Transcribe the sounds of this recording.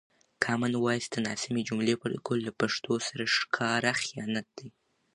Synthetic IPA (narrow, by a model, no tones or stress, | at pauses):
kʰɑmanwɑjsd̪ənɑsɪmid͡ʒumlepəlkʰolːapaʂt̪ʰosaɾaʂkʰɑɾaxijɑnat̪̚d̪̥aj